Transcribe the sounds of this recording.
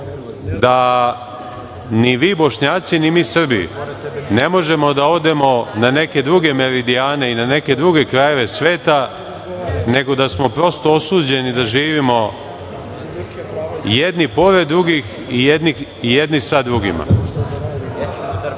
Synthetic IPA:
d̪a | niʋiːbo̞ʃɲaːt̪sinimiːsr̩bijṵne̞mo̞ʒe̞mo̞d̪ao̞d̪e̞mo̞nane̞ke̞d̪ɾuɡe̞me̞ɾid̪iaːne̞inane̞ke̞d̪ɾuɡe̞kɾaje̞ʋe̞sʋe̞ːt̪a | ne̞ɡo̞d̪asmo̞pɾo̞st̪o̞osuːd͡ʑe̞nid̪aʒiːʋimo̞ | jed̪nipo̞ɾe̞d̪̚ːɾuɡix | ijed̪ni | ijed̪nisad̪ɾuɡḭma̰

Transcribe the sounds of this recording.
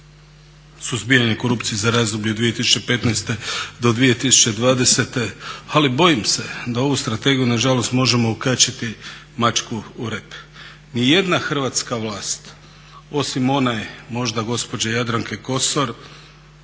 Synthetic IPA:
suzbiaɲe̞ko̞ɾup̪siezaɾaːzd̪obʎuod̪ʋije̞t̪isu̥t͡ʃe̞pe̞t̪najst̪e̞d̪o̞d̪ʋije̞t̪isu̥t͡ʃe̞d̪ʋaːd̪e̞se̞t̪e̞alibo̞jimse̞d̪ao̞ʋust̪ɾat̪e̞ɡijunaʒalo̞st̪mo̞ʒe̞mo̞ukat͡ʃit̪i | mat͡ʃkuːɾep | nije̞d̪naxr̩ʋat̪skaʋlˠaːst̪ | o̞simo̞najmo̞ʒd̪aɡo̞spo̞d͡ʑajad̪ɾaŋkeko̞so̞ɾ

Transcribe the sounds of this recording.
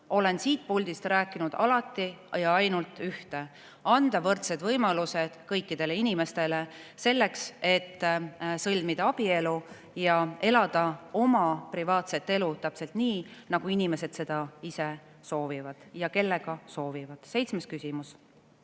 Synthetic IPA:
o̞le̞nsiːt̪̚pulʲd̪̥ist̪ræːkːˑinud̪̥ɑ̰lɑt̪ːˑijɑɑjnult̪ˑyht̪e̞ | ɑnd̪̥ɑvɤrt̪se̞d̪̥vɤjmɑluse̞d̪̥kɤjkːid̪̥e̞le̞inime̞st̪e̞le̞se̞lːe̞kse̞t̪ːsɤlʲmid̪̥ɑɑb̥ie̞lu | jɑe̞lɑd̪̥ɑo̞mɑprivɑːt̪se̞t̪ːe̞lut̪æpse̞lt̪niːnɑɡ̥uinimese̞d̪̥se̞d̪̥ɑise̞ | so̞ːvivɑd̪̥jɑke̞lːe̞ɡ̥ɑso̞ːvivɑd̪̥se̞jt̪sme̞skysimus

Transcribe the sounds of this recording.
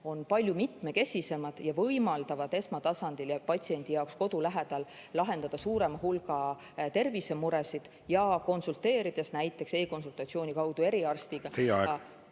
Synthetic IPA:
o̞npɑlʲjumit̪ˑme̞ke̞sʲise̞mɑd̪̥jɑvɤjmɑld̪̥ɑvɑd̪̥e̞smɑt̪ɑsɑnd̪̥iljɑpɑt̪ʲsie̞nd̪̥ijɑoksko̞d̪̥ulæɦe̞d̪̥ɑllɑɦe̞nd̪ɑd̪ɑsuːɾe̞mɑɦulɡɑ | t̪e̞rvise̞muɾesid̪̥ | jɑko̞nsult̪ˑe̞ːɾid̪̥e̞snæjt̪ːˑe̞kse̞ːko̞nsult̪ːˑɑt̪sio̞ːnʲikɑwd̪̥ue̞ɾiɑrst̪iɡ̥ɑhej

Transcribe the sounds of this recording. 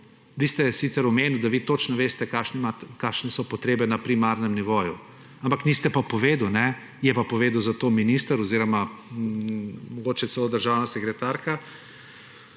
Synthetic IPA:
ʋiːst̪ɛsit̪sɛɾɔmeːniwd̪aʋiːt̪ot͡ʃnɔʋeːst̪ɛkaʃnimakaʃnɛsɔpɔt̪ɾeːbɛnapɾimaːɾnɛmniʋoːjṵ | ampakniːst̪ɛpapɔʋeːd̪wnɛ | jɛpapɔʋeːd̪wzat̪ominiːst̪əɾɔziːɾɔma | mɔɡoːt͡ʃɛt̪sɛlod̪əɾʒaːwnasɛkɾɛt̪aːɾka

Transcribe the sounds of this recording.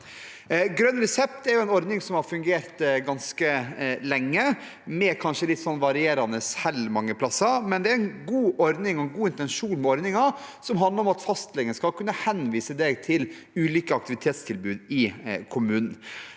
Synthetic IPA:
ɡɾœnːɾɛsɛp̚t̪ɛɾjʊɛnɔɾd̪nɪŋsɔmhɑɾfʉŋɡeːɾt̪ɡɑnskəlɛŋːə | mɛkʰɑnʂəlɪt̪ːsɔnːʋɑɾɪeːɾɑnəshɛlmɑŋːəpʰlɑsːɑmɛnd̪ɛæɾɛnɡuːʔɔɾd̪nɪŋɔɛnɡuːɪnt̪ɛnʂuːnmɛɔɾd̪nɪŋɑsɔmɦɑnd̪ləɾɔmɑt̪fɑst̪lɛɡənskɑkʰʉnːəhɛnʋiːsəd̪ɛɡt̪ʰɪl | ʉːliːkəɑkt̪ɪʋɪt̪ʰeːt̪st̪ʰɪlbʉːd̪ɪkʰʊmʉːnn̩

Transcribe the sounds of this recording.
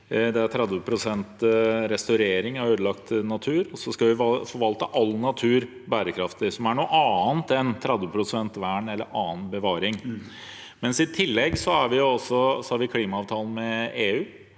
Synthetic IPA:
d̪ɛæɾt̪ʰɾɛd̪ʋəpʰɾʊsɛnt̪ɾɛst̪ɑɾeːɾɪŋɑɾøːd̪əlɑkt̪nɑt̪ʰʉːɾɔsɔskɑʋɪfɔɾʋɑlt̪əʔɑlːnɑt̪ʰʉːɾ | bæːɾəkʰɾɑft̪ɪsɔmæɳuːʔɑːnt̪ɛnt̪ʰɾɛd̪ʋəpʰɾʊsɛnt̪ʋæːɳɛlːə̰ɾʔɑːn̩bəʋɑːɾɪŋ | mɛnsɪt̪ʰɪlːɛɡsɔhɑɾʋɪjʊɔsːɔsɔhɑɾʋɪkʰliːmɑɑːʋt̪ʰɑːln̩mɛeːʉː

